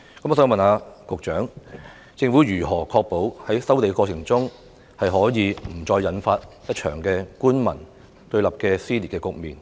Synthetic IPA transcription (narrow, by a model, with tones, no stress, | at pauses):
kɐ˨˥mɔː˨sːɔ˧mɐ˨naː˨˧kʊ˨k̚t͡ʃœː˨˥ŋ | t͡sɪ˧ŋfu˨˥jyː˨˩ɦɔː˨˩kʰɔː˧k̚po˨˥whɐ˨˥jsɐ˥wt̪̬e˨˧kɔː˧t͡sʰɪ˨˩ŋt͡sʊ˥ŋ | hɐ˨jɦɔː˨˥jiː˨˧m̩˨˩t͡sɔː˧jːɐ˨˥nfaː˧t̚jɐ˥t̚t͡ʃʰœ̰ː˨˩ŋkɛː˧kuː˥nmɐ̰˨˩n | t̪ɵ˧ɥlɐ˨˩p̚kɛː˧siː˥liː˨t̚kɛː˧kʊ˨k̚miː˨n